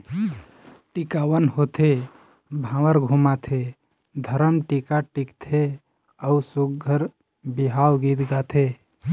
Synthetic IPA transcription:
ʈikawənhot̪ʰe | bʱãːwəɾɡʱumat̪ʰe | d̪ʱəɾəmʈikaʈikt̪ʰe | əusuɡɡʱəɾ | biɦawɡit̪ɡat̪ʰe

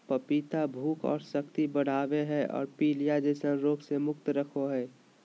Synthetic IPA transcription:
pəpiːt̪abʱuːkɔ̰ːɾsəkt̪ibəɽ̤aːweɦɛɔ̰ːɾpiːlijad͡ʒeːsənɾoːɡsemʊkt̪ɾəkʰoɦɛː

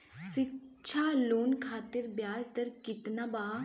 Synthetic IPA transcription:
sɪ | t͡ʃʰaːloːnkʰaːt̪ɪɾbjaːlt̪əɾkɪt̪naːbaː

